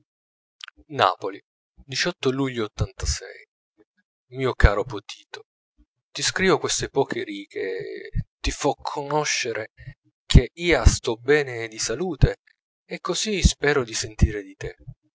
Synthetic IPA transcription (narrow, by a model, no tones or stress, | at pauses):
na̰ːpoli | d̪it͡ʃɔt̪ːoluʎːoːt̪ːant̪asɛ̰j | miːokaːɾopot̪ʰiːt̪o̥ | t̪iskɾiːvokwest̪epɔːkʰeɾiːkʰe | t̪ifɔkʰonɔʃːeɾʔe | kʰeiːast̪ɔbɛːned̪isaluːt̪eː | kːozispɛːɾod̪isent̪iːɾed̪it̪e